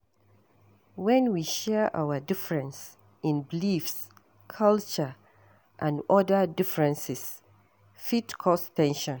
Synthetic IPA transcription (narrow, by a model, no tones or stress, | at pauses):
wɛ̃nwiʃɛəʔa̰wədɪfɹɛ̃ns | ĩnbilifs | kʰalt͡ʃə | ʔãnɔdədɪfɹɛ̃nsɪs | fitkʰɔstʰɛ̃nʃɔ̃n